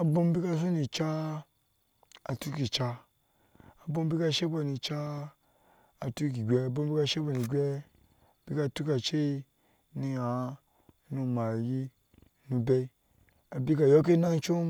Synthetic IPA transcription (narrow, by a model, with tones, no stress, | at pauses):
a˨bo˦m˦bi˦ka˧s̬o˦ni˧t͡ʃa˦ | a˨tu˦ki˨t͡ʃa˧ | a˨bo˦m˦bi˦ka˧ʃe˦bo˧ni˧t͡ʃa˦˨ | tu˦ki˨ɡʲe˧˨bo˧m˦bi˦ka˧ʃe˦bo˧ni˧˨ɡʲɛ˦˨ | b̥i˦ka˧tu˦ka˨t͡ʃe˦i˧ | ni˧a˨˦ | nu˧ma˨ji˦˧ | nu˧be˧i˧ | a˨bi˦ka˧jo˦k̬e˦na˦ŋ˦t͡ʃo˦